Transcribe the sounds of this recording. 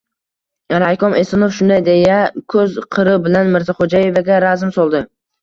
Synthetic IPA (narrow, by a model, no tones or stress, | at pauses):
ɾajkɒmesɪnofʃʊnd̪ajd̪ejakʰɵzqʰɨɾɪbɪlanmɪɾzaχod͡ʒaje̞vaɡʲaɾazɪmsolˠd̪ɪ